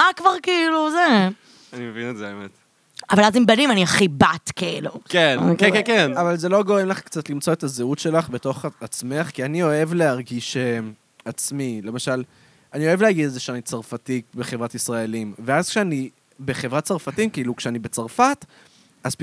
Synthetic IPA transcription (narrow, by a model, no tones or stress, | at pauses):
makvaʁkiiluze | animevinezebemet | avalazimbalimaniaχibat̪keilukenkekkekenavalze̞lo̞ɡo̞ʁemlaχkt͡sat̪limt͡soetazeutʃe̞laχbeto̞χat͡sme̞χkianio̞e̞vle̞ɦaʁɡiʃem | at͡smile̞maʃal | anio̞e̞vlehaɡid̪ezeʃeanit͡saʁfatibeχe̞vʁatisʁae̞limveazkʃeani | beχe̞vʁatt͡saʁfatimkiilukʃeanibe̞t͡saʁfat | az̥